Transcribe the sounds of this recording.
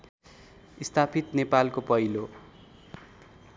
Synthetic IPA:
ist̪apʰit̪nepalkopʌjlo

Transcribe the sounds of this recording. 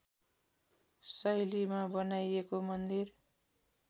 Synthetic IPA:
sʌjlimabʌnajekomʌnd̪ir

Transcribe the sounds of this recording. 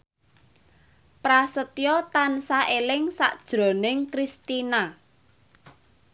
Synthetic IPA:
pɾasət̪jɔt̪ansaʔelɪŋsa̰ʔd̥ʒ̥ɾo̤nɪŋkɾist̪ina

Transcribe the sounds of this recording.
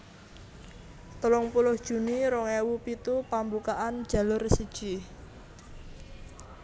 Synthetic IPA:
t̪əlʊŋpulʊhd̥ʒ̥ṳniɾɔŋɛwupit̪upambukaʔand̥ʒ̥ä̤lʊrsid̥ʒ̥i

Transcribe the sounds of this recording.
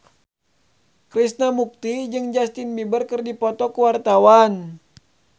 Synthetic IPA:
kɾisnamuk̚t̪id͡ʒɨŋd͡ʒast̪inmibərkərdipɔt̪ɔkuwart̪awan

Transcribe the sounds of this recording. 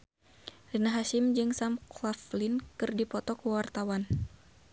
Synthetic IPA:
rinaɦaʃɪmd͡ʒɨŋsamklaflinkɨrdipɔt̪ɔkəwart̪awan

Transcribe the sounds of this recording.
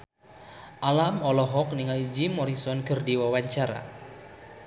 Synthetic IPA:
ʔalamɔlɔɦɔk̚niŋalid͡ʒimɔɾisɔnkərdiwawaɲt͡ʃaɾa̰

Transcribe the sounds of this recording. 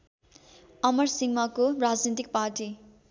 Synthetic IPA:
ʌmʌrsiŋmʌkorad͡znet̪ik̚parʈi

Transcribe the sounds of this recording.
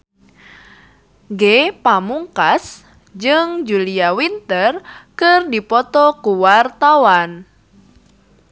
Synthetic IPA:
ɡepamuŋkas | d͡ʒɨŋd͡ʒuliawint̪ərkɨrdipɔt̪ɔkuwart̪awan

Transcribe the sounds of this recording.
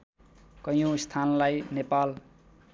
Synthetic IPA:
kʌj̃õst̪ʰanlajnepal

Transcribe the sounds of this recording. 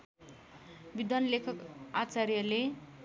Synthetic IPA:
bid̪ʌnlekʰʌkat͡sarjʌle

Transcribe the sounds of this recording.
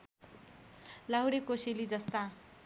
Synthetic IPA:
laɦuɾekosilid͡zʌst̪a

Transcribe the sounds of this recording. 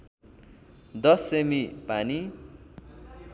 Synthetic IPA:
d̪ʌsːemipani

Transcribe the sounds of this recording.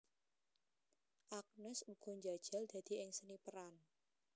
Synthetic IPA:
ʔak̚nʊsuɡ̥ɔ̤ɲd͡ʒad̥ʒ̥a̤ld̪̥ä̤d̪̥i̤ɪŋsənipəɾan

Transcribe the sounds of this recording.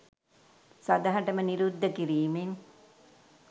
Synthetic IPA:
sɐd̪aɦɐʈəməniɾud̪ːəkiɾiːmeŋ

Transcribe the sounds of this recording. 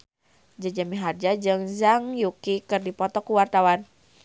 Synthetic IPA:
d͡ʒad͡ʒamiɦard͡ʒad͡ʒɨŋzaŋjukikɨrdipɔt̪ɔkuwart̪awan

